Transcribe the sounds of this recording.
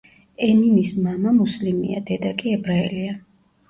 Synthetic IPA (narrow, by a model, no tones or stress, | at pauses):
ɛminismamamuslimḭa̰d̪ɛd̪akʼiɛbɾaɛlia